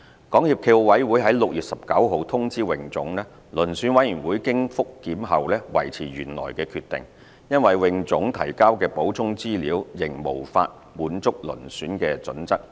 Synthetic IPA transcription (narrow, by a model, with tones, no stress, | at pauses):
kɔː˨˥ŋhiː˧p̚kʰe˧wo˧wɐ˨˥jwuː˨˥jɦɐ˨˥jlʊ˨k̚jyː˨t̚sɐ˨p̚kɐ˨˥wɦo˨˧wt̪ʰʊ˥ŋt͡siː˥wɪ˨ŋt͡sʊ˨˥ŋlɛː˥ | lɵ˨˩nsyː˨˥nwɐ˨˧˥jyː˨˩nwuː˨˥jkɪ˥ŋfʊ˥kːiː˨˥mɦɐ˨wlɛː˥wɐ̰˨˩jt͡sʰiː˨˩ɥyː˨˩nlɔ̰ː˨˩jkɛː˧kʰyː˧t̪ɪ̰˨ŋ | jɐ˥nwɐ˨jwɪ˨ŋt͡sʊ˨˥ŋt̪ʰɐ˨˩jkaː˥wkɛː˧po˨˥wt͡sʰʊ˥ŋt͡siː˥liː˨˥wjɪ˨˩ŋmo˨˩wfa̰ː˧t̚ | muː˨˥nt͡sʊ˥k̚lɵ̰˨˩nsyː˨˥nkɛː˧t͡sɵ̰˨˥nt͡sɐ˥k̚